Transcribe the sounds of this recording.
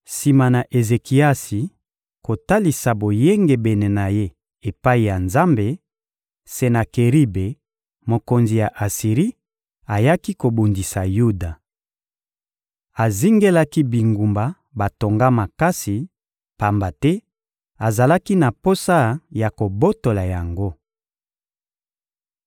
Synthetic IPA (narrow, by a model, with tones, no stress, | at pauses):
si˨ma˨na˨ʔe˨ze˨ki˨a˦si˨ | ko˨ta˦li˨sa˨bo˨je˦ŋɡe˨bɛ˨ne˨na˨je˦ | e˨pa˦i˨ja˨nza˦mbe˨ | se˨na˨ke˨ʁi˦be˨ | mo˨ko˨nzi˨ja˨ʔa˨si˨ʁi˦ | a˨ja˦ki˦ko˨bu˨ndi˨sa˨ju˦da˨ | a˨zi˦ŋɡe˦la˦ki˦bi˨ŋɡu˨mba˨ | ba˨to˨ŋɡa˦ma˨ka˦si˨ | pa˨mba˨tɛ˦ | a˨za˨la˦ki˦na˨po˦sa˦ja˨ko˨bo˦to˨la˨ja˨ŋɡo˦